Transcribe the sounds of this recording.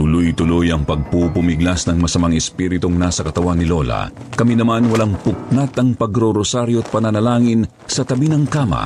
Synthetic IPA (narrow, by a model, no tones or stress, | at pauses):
t̪ʊlojt̪ʊlojɐŋpɐɡ̚pupʊmiɡlasnɐŋmɐsɐmaŋɛspiɾɪt̪oŋnasɐkɐt̪ɐwanːɪlo̞lɐ̰kɐminɐmanwɐlaŋpʊk̚nat̪ɐŋpɐɡɾoɾosaɾjoɐt̪̚pɐnanɐlaːŋɪn | sɐt̪ɐbinɐŋkaːmɐ̰